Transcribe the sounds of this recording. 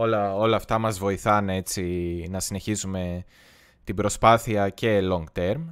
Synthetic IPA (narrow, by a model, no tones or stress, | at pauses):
olɐo̞lɐːft̪ɐmɐzvo̞iθɐne̞t͡sinɐsine̞çisume̞ | t̪ibɾo̞spɐθiɐce̞lo̞ŋɡt̪e̞ɾm